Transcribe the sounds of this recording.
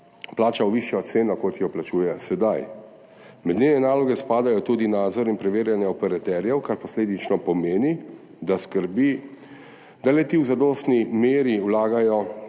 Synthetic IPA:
plaːt͡ʃawʋiʃjɔt̪seːnɔkɔt̪jɔplat͡ʃuːjɛsɛd̪aj | mɛd̪nʲenɛnaːlɔɡɛspaːd̪ajɔt̪ud̪inaːd̪zɔɾinpɾɛʋeːɾjanjɛɔpɛɾat̪ɛːɾjɛwkaɾpɔsleːd̪it͡ʃnɔpɔmeːni | d̪askəɾbi | d̪alɛt̪iwzad̪ɔst̪nimeːɾiwlaːɡajɔ

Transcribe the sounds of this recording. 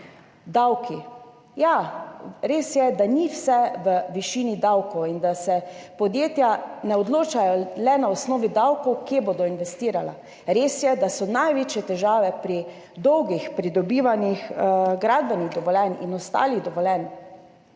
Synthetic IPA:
d̪awki | ja | ɾeːsjɛd̪aniwsɛʋəʋiʃiːnid̪awkɔwind̪asɛpɔd̪jeːt̪janɛɔd̪loːt͡ʃajɔlɛnaɔsnɔːʋid̪awkɔwkebod̪ɔinʋɛst̪iːɾala̰ | ɾeːsjɛd̪asɔnajʋeːt͡ʃjɛt̪ɛʒaːʋɛpɾi | d̪ɔwɡixpɾid̪ɔbiːʋanixɡɾaːd̪̚bɛniɣd̪ɔʋɔlɛnḭnɔst̪a̰ːliɣd̪ɔʋɔlɛn

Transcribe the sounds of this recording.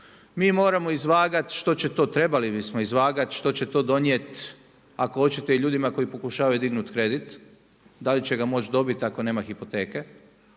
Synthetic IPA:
miːmo̞ːɾamo̞izʋaːɡat̪ʃt̪o̞t͡ɕe̞t̪o̞ːt̪ɾebalibismoizʋaːɡat̪ʃt̪o̞t͡ɕet̪o̞ːd̪o̞njet̪ | akoo̞t͡ɕit̪eiʎuːd̪imako̞jipo̞kuʃaːʋajud̪iɡnut̪kɾe̞d̪it̪ | d̪alit͡ɕe̞ɡamo̞t͡ʃd̪o̞bit̪ako̞ne̞ːmaxipot̪e̞ːke

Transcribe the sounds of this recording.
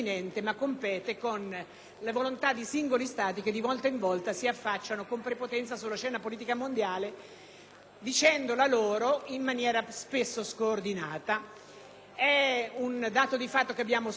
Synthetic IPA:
inɛnt̪emakːompɛːt̪ekon | levolont̪ad̪ːisiŋɡolist̪aːt̪̬ik̟ed̪ːivɔlt̪aiɱvɔlt̪asiafːat͡ʃːanokompɾepot̪ɛnt̪sasulːat͡ʃɛːnapoliːt̪̬ikamond̪jaːle | d̪it͡ʃɛnd̪olaloːɾoimːanjɛːɾaspesːoskoːrd̪inaːt̪a | ɛund̪aːt̪od̪ifat̪ːokeabːjaːmo

